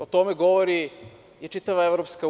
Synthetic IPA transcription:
ot̪omeɡoʋoɾi | jet͡ʃit̪aʋaeʋɾopska

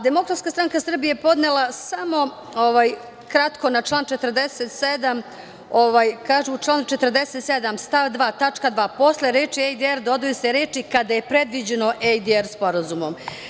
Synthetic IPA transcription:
d̪emo̞kɾat̪skast̪ɾaŋkasr̩bijepo̞d̪nelˠasamo̞ | oʋaj | kɾat̪ko̞nat͡ʃlˠaːnt͡ʃe̞t̪ərd̪eset̪sed̪am | oʋajkaːʒuːt͡ʃlaːnut͡ʃe̞t̪ərd̪eset̪sed̪amst̪aʋd̪ʋaːt̪at͡ʃkad̪ʋaːpo̞sleɾeːt͡ʃiejd̪ieɾd̪o̞d̪ujeseɾeːt͡ʃikad̪aje̞pɾe̞d̪ʋid͡ʑeno̞ʔejd̪ieɾspo̞ɾazumo̞m

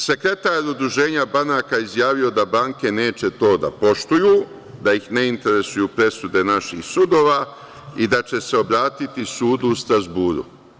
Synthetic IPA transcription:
se̞kɾe̞t̪aːɾud̪ɾuʒe̞ːɲabanakaizjaːʋio̞d̪abaːŋke̞ne̞ːt͡ʃe̞t̪o̞ːd̪a̰po̞ʃt̪ujuː | d̪aixne̞int̪e̞ɾe̞sujuːpɾe̞sud̪e̞naʃixsud̪o̞ːʋaː | id̪at͡ʃe̞se̞o̞bɾaːt̪it̪isuːd̪uːst̪ɾazbuːɾṵ

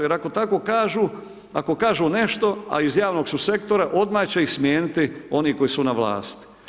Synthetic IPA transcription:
jeɾako̞t̪ako̞ːkaːʒuː | ako̞kaːʒuːne̞ʃt̪o̞a̰izjaːʋno̞ɡsuse̞kt̪o̞ɾaʔo̞d̪maːt͡ɕeixsmjeːnit̪ɪo̞niːko̞jisunaʋla̰ːst̪

